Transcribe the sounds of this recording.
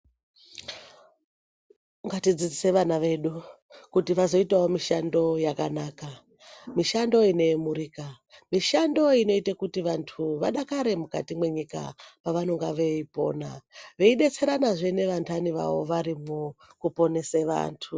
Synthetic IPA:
ŋɡatid͡zid͡zise̞ʋanaʋe̞ɗu | kutiʋazo̞itaomiʃando̞jakanaːka | miʃando̞ine̞muɾiːka | miʃando̞ino̞itakutiʋantʰuʋaɗakaɾe̞muka̰timwe̞ɲika̰paʋano̞ŋɡaʋe̞ipo̞̰na̰ʋeiɗe̞t͡se̞ɾanaʐe̞ne̞ʋantʰaniʋa̰ʋo̞̰ʋaɾimu | kupo̞ne̞seʋa̰ːntʰu

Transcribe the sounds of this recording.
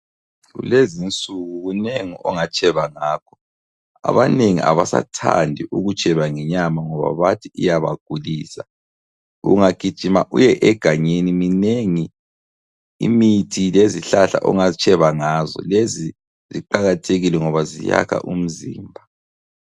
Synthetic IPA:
ɣṵlezint͡sʼuɣuɣuneŋiɔŋat͡ʃʼɛβaŋaːkʰɔ̥ | a̰βaneŋḭa̰βasa̰tʰa̰ndʱiʔuɣut͡ʃʼɛβaŋɛɲamaŋɔβa̰βatʰiijaβa̰ɡ̥ʱuliːsa | ṵŋaɡ̥ʱid̥ʒ̥ʱimaʔṵjɛʔɛɡ̥ʱaɲenimineŋi | ḭmitʰileziɬaɬa̰ʔɔŋat͡ʃʼɛβaŋaːzɔ̰lezi | ziǃaɣatʰeɣilɛŋɔβazija̰kʰa̰ʔum̩zḭːmbʱa

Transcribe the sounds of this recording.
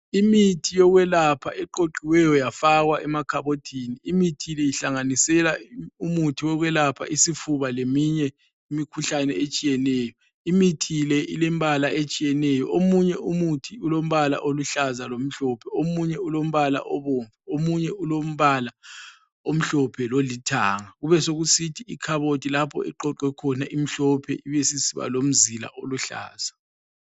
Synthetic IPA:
imitʰijɔɣwɛlapʰa̰ʔɛǃoǃiwɛjɔjafaɣwaʔɛmakʰaβotʰiniimitʰilɛjiɬaŋanisɛlaumutʰiwɔɣwɛlapʰa̰ʔisifuβalemiɲɛ | imikʰuɬanɛet͡ʃʼijɛnɛːjɔ | imitʰilɛilɛmbʱalaʔet͡ʃʼijɛnɛjɔ̰omuɲɛʔumutʰiulom̩βala̰ʔoluɬazalom̩ɬɔpʰɛomuɲɛulom̩βala̰ʔɔβoːɱvuomuɲɛulom̩βala | om̩ɬɔpʰɛlolitʰaːŋaɣuβɛsoɣusitʰiikʰaβotʰʼilapʰɔ̰ɛ̰ǃɔǃwɛkʰɔnaʔim̩ɬɔpʰɛ̰iβesisiβa̰lom̩zila̰ʔoluɬa̰ːz̥a

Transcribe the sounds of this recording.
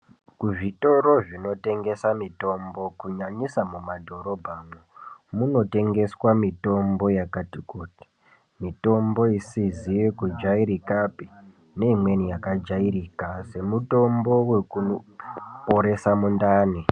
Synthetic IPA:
kuʐito̞ɾo̞ʐino̞te̞ŋɡe̞samito̞mbo̞kuɲaɲisamumadʱo̞ɾo̞bʱamomuno̞te̞ŋɡe̞swamito̞mbo̞jakatikuti̥ | mito̞mbo̞isizijekud͡ʒaiɾikapi | ne̞imwe̞nijakad͡ʒaiɾikase̞muto̞mbo̞we̞kunopoɾe̞samundaːni

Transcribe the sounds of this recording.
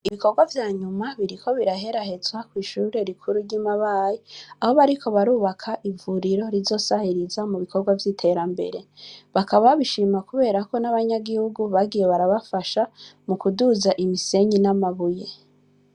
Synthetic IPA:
iβiko̞ɾɡwavjaːɲumaβiɾikʰo̞βiɾaɦe̞ɾahe̞zwakwiːʃuːɾe̞ɾikʰuɾuɾɟimaβaːjiaho̞βaɾikʰo̞βaɾuːβakʰaʔivuɾiɾo̞ɾizo̞sahiɾizamuβikoɾɡwavjitʰe̞ɾambe̞̰ɾe̞βakaβaβiʃimakuβe̞ːɾako̞naβaɲaɡihuɡuβaɡijeβaɾaβafaʃamukuduzaʔimise̞ɲinamaβuje̞

